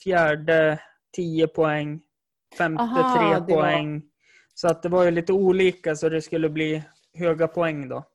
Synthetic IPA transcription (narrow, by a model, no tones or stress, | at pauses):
fjæːɖə | t̪ʰiːəpʰɔɛŋː | fɛmt̪ɪt̪ʰɾeːp̪ɔɛŋː | sɔat̪̚d̪ɛvaɾjɵliːt̪əuːliːkasɔd̪ɛskɵlːəbliː | ɦøːɡapʰɔɛŋːd̪ɔ̰